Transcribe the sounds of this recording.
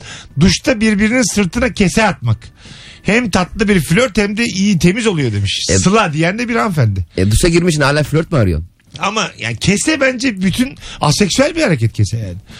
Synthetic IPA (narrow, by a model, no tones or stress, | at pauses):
d̪uʃt̪ʰabiɾbiɾininsɯɾt̪ʰɯnacʰesɛat̪makhæmt̪ʰat̪lˠɯbiɾflʲøɾt̪hɛmd̪ɛʔijit̪ʰe̞mizo̞lˠujo̞d̪e̞miʃsɛsɯlˠad̪ijɛnd̪ɛbiɾanfænd̪ɪɛ̰d̪uʃaɟiɾmiʃt͡ʃʰinaːlʲaːflʲøɾt̪̚maɾɯjo̰ | amaja̰ːncʰe̞sɛbænd͡ʒɛbyt̪ʰyna̰sɛcsyælʲbihaɾecʰɛt̪̚cʰesɛja̰ːnɪ